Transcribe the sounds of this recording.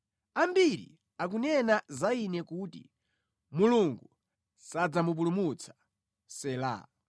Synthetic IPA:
ambiɾḭ | ak̬unɛnazainɛkutḭ | muluŋɡu | sad͡zamup̬ulumut͡sʰḁ | sɛːla̰

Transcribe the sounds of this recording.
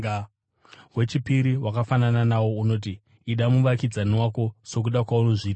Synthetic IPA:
we̞t͡ʃipiɾiwʔakafanananawo̞uno̞ːt̬iː | ɗamuʋakid͡zaniwako̞so̞k̬uɗakwauno̞ʐiːta

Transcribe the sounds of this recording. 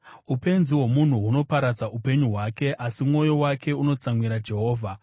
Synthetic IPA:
upe̞nziwo̞mun̤uɦuno̞paɾad͡zaʔupe̞ɲuɦwake̞ʔasimŋo̞jo̞wakʰe̞uno̞t͡samwiɾad͡ʒe̞ɦo̞ːvʱa

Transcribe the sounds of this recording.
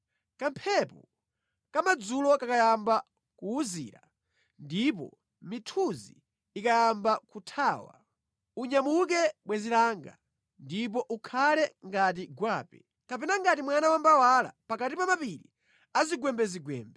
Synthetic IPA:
kampʰɛpɔ | kamad͡zulɔkakajamba | kuːzḭːɾa | ndipɔ̰ | mitʰuziː | kajambakutʰaːwa̰ | uɲamuk̬ɛɓwɛzilaŋɡa̰ | ndip̬ɔʔukʰalɛŋɡat̬iɡwaːpɛ | kapɛnaŋɡatimwanawambawala̰pakatipamapiɾḭ | aziɡwɛmbɛziɡwɛ̰ːmbɛ

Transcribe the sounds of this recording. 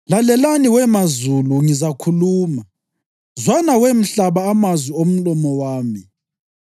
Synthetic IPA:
lalɛlaniwɛmazuluŋizakʰuluːma | zwanawem̩ɬaβaːmazwiom̩lɔmɔwaːmi

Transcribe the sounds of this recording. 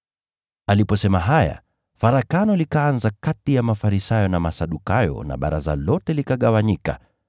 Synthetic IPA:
alipɔsɛmaɦaja̰ | faɾakanɔlikaanzakatijamafaɾisajɔnamasaɗukajɔ̰na̰ɓa̰ɾaza̰lɔtɛlikaɠawaɲika̰

